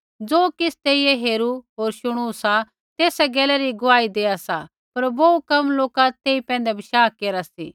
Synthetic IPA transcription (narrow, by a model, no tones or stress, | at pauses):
d͡zoːkɪst̪eːijeɦeːɾuɦoːɾʃʊɽ̃usa | t̪eːsɛɡɛːlɛɾiɡʊaːid̪eːasa | pɐɾboːukɐmloːkat̪eːipɛ̃ːnd̪ɛbʱɪʃaːkeːɾasḭː